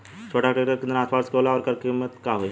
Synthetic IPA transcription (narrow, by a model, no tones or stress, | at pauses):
t͡ʃʰoːʈaʈɾeːʈəɾkɪ̃nd̪ɾnaːspaːɾskolaɔːɾkɐɾkɪmːət̪kaɦoi